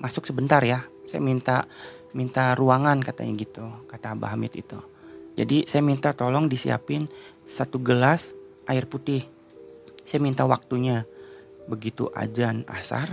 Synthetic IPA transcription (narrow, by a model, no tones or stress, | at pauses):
masʊksəbənt̪arjasaja̰mint̪a | mint̪aɾuaŋankat̪a̰ɲaɡit̪ukat̪aːba̰ɦamɪ̰t̪̚ḭt̪u | d͡ʒa̰disajamint̪at̪olɔŋdisḭa̰pɪn | sat̪uɡəlasʔaɪrput̪ɪh | sajamint̪awak̚t̪uɲa | bəɡit̪ṵʔa̰d͡ʒana̰sa̰r